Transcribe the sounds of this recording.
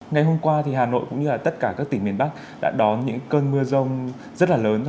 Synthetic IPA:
ŋa˨˩jɦo˧mkwaː˧t̪ʰi˨˩ɦaː˨˩no̰˧˨jkʊ̰˧˥ŋ͡mɲɨ˧laː˨˩t̪ə˦˥t̚kaː˧˩kaː˦˥k̚t̪ï˧˩ŋ̟mi˨˩ənɓa˦˥k̚ | ɗa̰ː˧˥ɗɔ˨˦nɲɨ̰˧˥ŋkəː˧nmɨ˧əzə˧wŋ͡m | zə˦˥t̚laː˨˩ləː˨˦ntʰ

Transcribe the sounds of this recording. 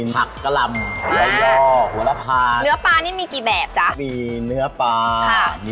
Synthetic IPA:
a˨˩kːa˧la˧mu˨˦la˧jɔː˥˩ʔu˨˩˦la˧pʰaː˧nɯ˦˥ɐpaː˧niː˦˥˩miː˧kiː˨˩bɛː˨˩p̚t͡ɕa˦˥ʔmiː˧nɯ˦˥ɐpaː˧kʰa˧˩m

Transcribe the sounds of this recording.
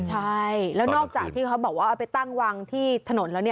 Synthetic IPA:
t͡ɕʰa˥˩jlɛː˨˦˥wnɔː˥˩k̚t͡ɕaː˨˩kt̪ʰiː˥˩kʰa˦˥wbɔː˨˩k̚waː˥˩ʔa˧˩pa˧jt̪a˥˩ŋwaː˧ŋt̪ʰiː˥˩t̪ʰa˧no˩˦nlɛː˦˥wni˥˩

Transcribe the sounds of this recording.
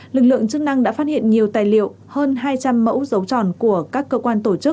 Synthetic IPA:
lɨ˨˩k̚lɨ̰˧˨əŋt͡ɕɨ˦˥k̚na˧ŋɗa̰ː˧˥faː˦˥t̚hḭ˧˨ənɲi˨˩əwt̪aː˧˨˩jlḭ˧˨w | həː˧nɦaː˧jt͡ɕa˧mːə̰˧˥wzə˨˦wt͡ɕɔ̰˧˨nku˧˩əkaː˦˥kːəː˧kwaː˧nt̪o˧˩t͡ɕɨ˦˥k̚

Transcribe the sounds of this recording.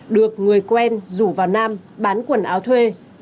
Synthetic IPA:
ɗɨ˨˩ək̚ŋɨ˨˩əjkwɛ˧nzu˧˩vaː˨˩wnaː˧mɓaː˨˦nkwə˨˩nʔaː˨˦wt̪ʰwe˧

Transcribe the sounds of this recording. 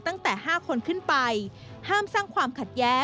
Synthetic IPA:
t̪a˥˩ŋt̪ɛː˨˩haː˥˩kʰo˧nkʰɯ˥˩npa˧j | haː˥˩msaː˥˩ŋkʰwaː˧mkʰa˨˩t̪̚jɛː˦˥

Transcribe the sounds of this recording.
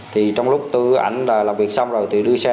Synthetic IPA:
t̪ʰi˨˩t͡ɕɔ˧wŋ͡mlʊ˦˥k͡p̚t̪ɨ˧ʔa̰˧˩jŋ̟laː˨˩laː˨˩mvi˨˩ək̚sa˧wŋ͡mzo˨˩jt̪ʰi˨˩ɗɨ˧əsa˧

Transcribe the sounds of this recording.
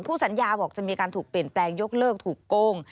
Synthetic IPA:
ŋpʰuː˥˩sa˩˦njaː˧bɔː˨˩k̚t͡ɕa˨˩miː˧a˧kaː˧nt̪ʰuː˨˩k̚pi˨˩ənplɛː˧ŋjo˦˥k̚lɤː˥˩k̚t̪ʰuː˨˩kːoː˧ŋ

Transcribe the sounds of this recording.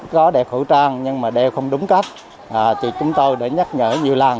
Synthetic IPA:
kɔ˨˦ɗɛ˨˩xu˧˩t͡ɕaː˧ŋɲɨ˧ŋmaː˨˩ɗe˧wxə˧wŋ͡mɗʊ˨˦ŋ͡mka˦˥t̚ | ʔaː˨˩t̪i˨˩t͡ɕʊ˨˦ŋ͡mt̪o˧jɗaḛ˧˥ɲə˦˥t̚ŋə̰ː˧˩ɲi˨˩əwla˨˩ŋ

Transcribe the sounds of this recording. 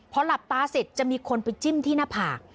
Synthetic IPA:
pʰɾɔ˦˥la˨˩p̚t̪aː˦˥se˨˩t̪̚t͡ɕa˨ʔmiː˧kʰo˧npa˧jt͡ɕi˥˩mt̪ʰiː˥˩naː˥˩pʰaː˨˩k̚

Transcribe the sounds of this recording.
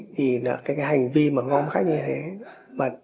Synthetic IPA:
t̪ʰi˨˩na̰˧˦kaː˨˦jkaː˨˦jha˨˩jŋ̟vi˧maː˨˩ŋɔ˧mxaː˦˥k̚ɲɨ˧t̪ʰe˨˦ | maː˨˩

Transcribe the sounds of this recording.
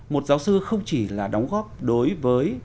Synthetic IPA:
mo˨˩t̚zaː˨˦wsɨ˧xə˧wŋ͡mt͡ɕi˧˩laː˨˩ɗɔ˨˦wŋ͡mɣɔː˦˥p̚ɗo˨˦jvəː˨˦j

